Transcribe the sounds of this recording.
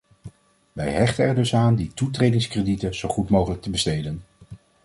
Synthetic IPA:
ʋɛjɦɛχtənɛɹdɵsaːnditutrejdɪŋskreditəz̥owχutmowχələk̚təbəstejdən

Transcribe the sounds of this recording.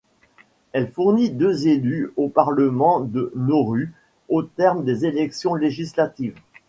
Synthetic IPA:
ɛlfuʁnid̪øzelyopaʁləmɑ̃d̪ənoʁy | ot̪ɛʁmd̪ezelɛksjɔ̃leʒislat̪iːv

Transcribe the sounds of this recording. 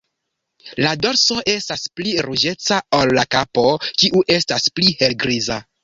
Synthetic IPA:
lado̞ɾso̞ʔe̞staspliɾud͡ʒe̞t͡saolːakapo̞kiʔuʔe̞stasplihe̞lɡɾiza

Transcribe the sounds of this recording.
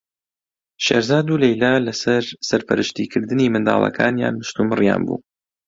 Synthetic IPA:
ʃeːɾzaːd̪uːlejlaːlɐsɐɾsɐɾpʰɐɾɨʃt̪ikʰɨɾd̪ɨniːmɨnd̪aːlˠɐ̰kʰaːnja̰ːnːɨʃt̪umɨrja̰ːnbṵː

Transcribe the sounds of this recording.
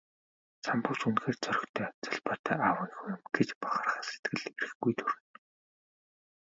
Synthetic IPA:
t͡sʰampʊ̆ːt͡ɕunxeːrt͡sœɾ̆ʲxt̪ʰœːt͡saɮpɔːt̪ʰœːʔaːwəːnixuj̪ɘ̆mɡ̥et͡ɕpaχăːrχaːse̥t̪ɡɘ̆ɮeɾɘ̆xɡujt̪ʰuɾɘ̆n

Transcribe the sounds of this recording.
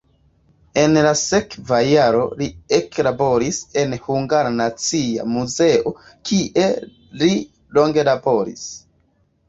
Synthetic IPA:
e̞nlase̞kvajaɾo̞lieklabo̞ɾise̞nhuŋɡaɾanat͡sia̰muze̞ʔo̞ | kʰiʔe̞ | li | lo̞ŋɡe̞labo̞ɾḭs

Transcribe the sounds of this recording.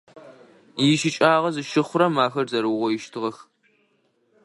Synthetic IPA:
jɪʃɪt͡ʃʼaːʁɐzɨʃɪχʷʊɾɐmaːxɐrzɐɾɨʁʷɔjɪʃtʰɨʁɐx

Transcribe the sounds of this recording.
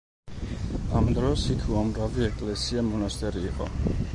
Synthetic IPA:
amd̪ɾɔsikʰuamɾaviɛkʼlɛsiamɔnast̪ʼɛɾiːqʼɔ̰

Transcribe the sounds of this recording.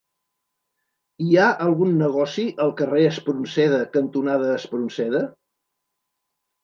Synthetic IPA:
iaʔəlˠɣunːəɣ̞ɔsiʔəlˠkəreəspɾunsɛð̞əkənt̪unaðəːspɾunsɛðə

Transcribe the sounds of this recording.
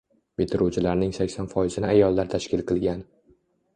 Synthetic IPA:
bet̪ʰɪɾut͡ʃʰɪlaɾnɪŋsakʲsɒnfɒɪzɪnɪajɒlˠːaɾt̪ʰaʃkʲʰɪlˠqʰɨlˠɡʲan

